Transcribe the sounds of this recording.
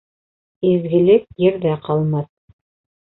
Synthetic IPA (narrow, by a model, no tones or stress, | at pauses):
izɡɘ̆lɘk̚jɘ̆ɾðæqʰɑlˠmɑθ